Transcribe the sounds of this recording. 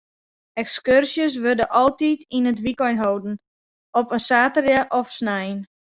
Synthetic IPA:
ɛkskørsjəs̬ʋødəʔɔlˠtitinətʋikɔjnɦowdn̩ | ɔpənsaːtərjəʔɔfsnɛjn

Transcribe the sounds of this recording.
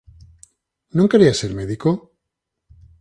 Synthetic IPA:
nõŋke̞ɾiaseɾmeðiko

